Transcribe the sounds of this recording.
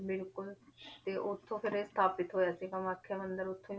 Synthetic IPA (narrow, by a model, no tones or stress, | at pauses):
bɪlkʊlt̪eːʔʊt̪ʰːõːpʰɪɾest̪ʰaːpɪt̪ɦoːjaːsiːkəməkʰːeːmə̃nd̪əɾʊt̪ʰːõi